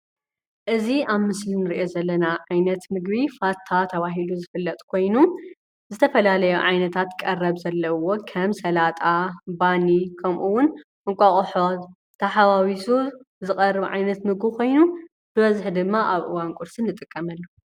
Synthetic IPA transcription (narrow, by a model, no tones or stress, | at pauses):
ʔɨziaβmɨslinɨɾiʔo̞zɐlːɐnaʕajnɐt̪mɨɡbifat̪ʰːat̪ʰɐβaɦiluzɨfɨlːɐt̪ʼkʰo̞jnu | zɨt̪ʰɐfɐlalɐjuʕajnɐt̪ʰat̪kʼɐrɐβzɐlːɐwokʰɐmsɐlat̪ʼabanikʰɐmʔuwʊnʔɨŋkʷʼaχʼħo | t̪ʰɐħaβawisu | zɨkʼɐrːɨβʕajnɐt̪mɨɡbkʰo̞jnu | b̥ɨβɐzɨħd̪ɨmːaʔaβʔɨ̰wankʼʊɾsɨnːɨt̪ʼɨkʼːɐmɐlːu